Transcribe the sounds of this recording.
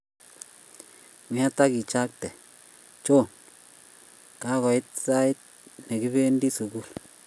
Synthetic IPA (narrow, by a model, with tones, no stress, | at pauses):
ŋi˨˦a˦ta˦ki˨t͡ʃa˦k̚tɛ˨ | t͡ʃo˦n | ka˦ɣɔ˨i˦t̪̚sa˦i˦t̪̚ | ne˨ki˦βe˦ndi˦su˨ɡu˦˨l